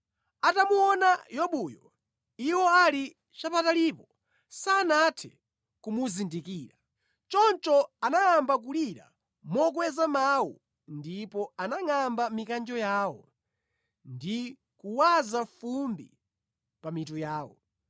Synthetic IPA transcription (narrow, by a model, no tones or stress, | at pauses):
atamuɔnajɔɓujɔ | iwɔali | t͡ʃapatalipɔ | sanatʰɛ̰ | kumuzindikiːɾa | t͡ʃɔnt͡ʃɔanajambak̬uliɾa̰ | mɔk̬wɛzamawu | ndipɔanaŋambamikand͡ʒɔjaːwɔ | ndi | kuwazafumbḭ | pamitujaːwɔ̰